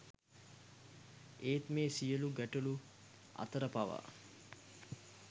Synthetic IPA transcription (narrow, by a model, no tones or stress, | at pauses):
eːt̪meːsijəluɡæʈulu | a̰t̪əɾəpaʋa̰ː